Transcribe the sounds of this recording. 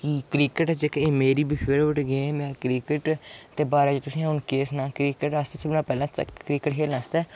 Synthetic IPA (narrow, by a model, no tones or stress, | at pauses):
kikɾiːkəʈːd͡ʒekeːmeːɾiːbifʰeɾʋəʈɡẽːmɛ̃ːkɾiːkəʈt̪eːbaːɾaːd͡ʒt̪ʊsĩːaʊnkeːsnãːkɾiːkəʈaːst̪eːsʰəbnãːpɛːlã̰ːkɾiːkəʈkʰeːlaːst̪ɛː